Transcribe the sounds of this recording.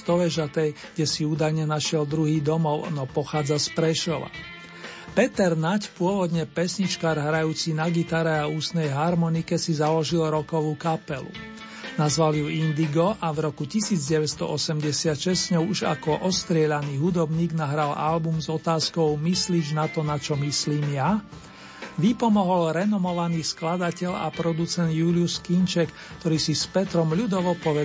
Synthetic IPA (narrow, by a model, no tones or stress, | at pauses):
t̪ɔʋɛʒat̪ɛjɡ̥ɟɛsiuːd̪ajɲɛnaʃɪɛld̪ɾuɦiːd̪ɔmɔʊnɔpɔxaːd͡zaspɾɛʃɔʋa̰ | pɛt̪ɛɾnacpʊɔʋɔd̪ɲɛpɛsɲit͡ʃkaːɾɦɾajuːt͡sinaɡit̪aɾɛauːst̪nɛjɦaɾmɔnikɛsizalɔʒilɾɔkɔʋuːkapɛlṵ | nazʋaljuind̪iɡɔʔavɾɔkucisiːd͡zɟɛʋɛst̪ɔ̰ʔɔsɛmɟɛsɪat̪ʃɛsɲɔʊuʒa̰kɔʔɔst̪ɾɪɛʎaniːɦud̪ɔbɲiːɡnaɦɾalalbumzɔt̪aːskɔʊmisliːd͡ʒnat̪ɔnat͡ʃɔmisliːmja | ʋipɔmɔɦɔlɾɛnɔmɔʋaniːsklad̪acɛʎa̰pɾɔd̪ut͡sɛnd̪juːlɪuskint͡ʃɛk | kt̪ɔɾiːsispɛt̪ɾɔmʎud̪ɔʋɔpɔʋɛ